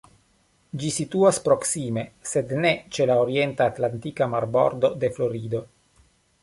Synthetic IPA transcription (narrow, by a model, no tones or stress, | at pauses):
d͡ʒisit̪uaspɾo̞ksime̞se̞d̪ne̞t͡ʃe̞laoɾie̞ntaːt̪lantikamaɾbo̰ɾdo̞d̪e̞flo̞ɾid̪o̞